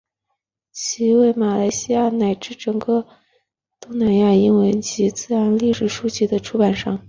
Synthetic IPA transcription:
t͡ɕʰi˧˥we˥˩ɪma˨˩la˧˥ɪɕi˥ja˥˩na˨˩ɪʈ͡ʂɻ̩˥˩ʈ͡ʂɤ˨˩ŋkə˧ | t̪ʊ˥ŋna˧˥nja˥˩i˥nwə˧˥nt͡ɕʰi˧˥t͡sɹ̩˥˩a˧˥nli˥˩ʂɻ̩˨˩ʂu˥t͡ɕi˥˩d̪ə˩ʈ͡ʂʰu˥pa˨˩nʂɑ˥˩ŋ

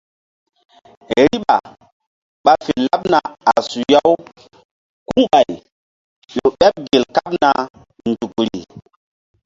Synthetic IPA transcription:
ɾi˦ɓa˨ | ɓa˦fe˨la˦p̚na˨a˨su˨ja˦w | ku˦ŋɓa˨j | jo˨ɓɛ˦p̚ɡe˨lka˦pna˨ | ndu˨kɾḭ˨

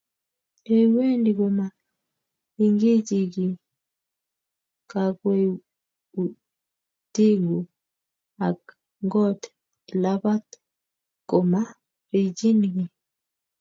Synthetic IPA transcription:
e˦we˦ndi˨ɡo˨ma˨ | i˦ŋɡe˦d͡ʒi˨ɡi˨ | ka˨kwe˦ | u˨ | ti˦ɡo˨ | a˨k | ŋɡɔ˦t | la˦ba˦t̪ | ko˨ma˦ | ɾi˨d͡ʒi˦nɡi˨

